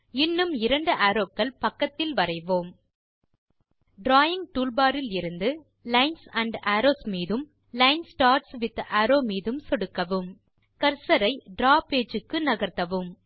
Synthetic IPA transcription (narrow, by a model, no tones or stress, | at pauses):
ɪnːɯmɪɾɐɳɖɯʔaːɾoːkːɐɭpɐkːɐt̪ːɪlʋɐɾɐɪʋoːm | ɖɾaːjɪŋ̚ʈuːɭbaːɾɪlɪɾɯnd̪ɯ | lɐɪnsɐɳɖaːɾoːsmiːðɯm | lɐɪnsʈaːɾsʋɪðaːɾoːmiːðɯmsɔɽɯkːɐʋɯm | kɐɾsɐɾɐɪɖɾaːpeːd͡ʒɯkːɯnɐɣɐɾt̪ɐʋɯm